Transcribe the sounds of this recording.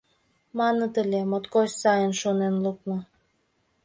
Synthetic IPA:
mɑnə̆t̪ə̆lʲemot̪kosʲsɑjənʃonenluk̚mɤ̆

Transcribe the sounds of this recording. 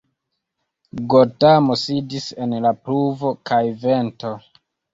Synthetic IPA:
ɡotamo̞sidise̞nlapluvo̞kʰajve̞nto̞

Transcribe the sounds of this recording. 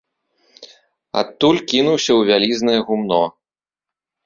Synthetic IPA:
a̰t̪ːulʲkʲinuwsʲɐwvʲalʲiznɐjɛɣumnɔ

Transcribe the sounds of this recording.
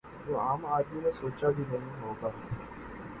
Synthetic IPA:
d͡ʒoːaːmaːd̪ĩnẽsoːt͡ʃabʱinɐɦĩɦoːɡaː

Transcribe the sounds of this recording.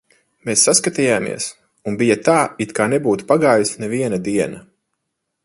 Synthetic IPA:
meːsːaskat̪ijaːmḭɛs | unbijɐt̪aːit̪kaːnebuːt̪u̥paɡaːjusnɛviɛnɐd̪iɛnɐ

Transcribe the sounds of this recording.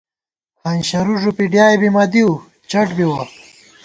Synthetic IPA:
hɐnɕɐɾuʐupiɖjaːebimad̪iu | t͡ɕɐʈbiwɐ

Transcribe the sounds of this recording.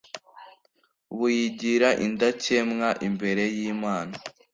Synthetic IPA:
βujiɟiɾaʔindacemŋaʔimbe̞ɾe̞jiːmaːna

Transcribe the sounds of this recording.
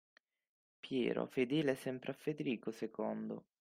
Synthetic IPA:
pjɛ̰ːɾo̰fed̪eːleɛsɛmpɾʔeafːed̪eɾiːkosekɔnd̪o̰

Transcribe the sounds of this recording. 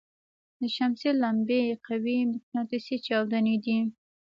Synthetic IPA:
d̪əʃamsilambeqawimɪknɑt̪ɪsit͡ʃɑwd̪aned̪i

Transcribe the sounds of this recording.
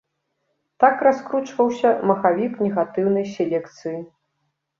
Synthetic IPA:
t̪akraskɾut͡ʂvɐwsʲɐmɐxavʲiknʲɛɣat̪ɨwnɐjsʲelʲɛkt̪sɨji

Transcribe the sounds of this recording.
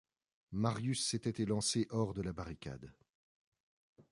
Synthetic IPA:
maʁjysːet̪ɛt̪elɑ̃seʔɔʁd̪əlabaʁikʲa̰d̪

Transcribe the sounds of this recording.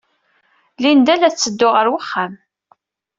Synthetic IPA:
lind̪ælæt͡sːəd̪ːʊʁəɾwəχːæm

